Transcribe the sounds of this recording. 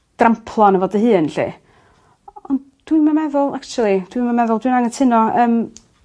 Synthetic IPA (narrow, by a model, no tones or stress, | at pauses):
d̥rampʰlˠɔnəvɔdəɦɨːnɬḭ | ɔnd | d̥winmamɛðʊlˠakt͡ʃulˠid̥wimamɛðʊlˠdwinaŋətʰɪnɔəːm